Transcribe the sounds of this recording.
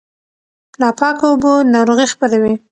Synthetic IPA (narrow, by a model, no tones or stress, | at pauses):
lɑpɑkaobonɑɾoɣixpəɾawi